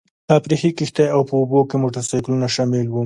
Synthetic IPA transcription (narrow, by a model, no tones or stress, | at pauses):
t̪apɾixikixt̪ajawpəobokemoʈaɾsajklunaʃamɪlwu